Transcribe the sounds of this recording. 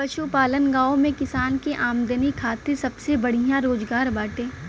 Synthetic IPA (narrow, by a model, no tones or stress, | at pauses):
pɐʃupaːlənɡaːomẽkɪsaːnkeʔaːmd̪ənikʰaːt̪eɾsɐbsebɐɽ̤ijãɾoːd͡ʒɡaːɾbaːʈẽː